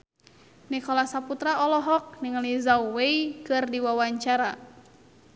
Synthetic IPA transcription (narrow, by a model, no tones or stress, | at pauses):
nikɔlasaput̪ɾaɔlɔɦɔk̚niŋalizawweikɨrdiwawaɲt͡ʃaɾa